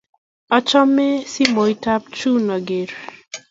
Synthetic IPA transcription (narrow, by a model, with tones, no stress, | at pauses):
ɔ˦t͡ʃɔ˦me˦si˦mo˨i˦ta˦p̚t͡ʃu˦nɔ˨ɡe˨ɾ